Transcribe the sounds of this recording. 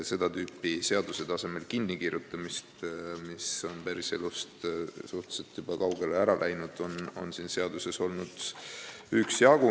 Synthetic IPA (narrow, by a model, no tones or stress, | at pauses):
se̞d̪̥ɑt̪yːpːˑise̞ɑd̪̥use̞t̪ɑse̞me̞lkinːikirjut̪ːˑɑmist̪miso̞npæɾise̞̰lust̪suht̪u̥set̪jub̥ɑkɑwɡ̥e̞leæɾɑlʔæjnud̪̥o̞no̞̰nsiːnse̞ɑd̪̥use̞so̞lnud̪̥ | yksjɑɡ̥u